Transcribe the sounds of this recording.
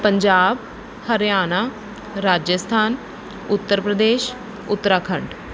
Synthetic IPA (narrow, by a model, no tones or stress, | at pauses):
pəɲd͡ʒaːb | həɾjaːnaː | ɾaːd͡ʒjəst̪ʰaːn | ʊt̪ːəɾpɾəd̪eːʃ | ʊt̪ːəɾaːkʰəɳɖ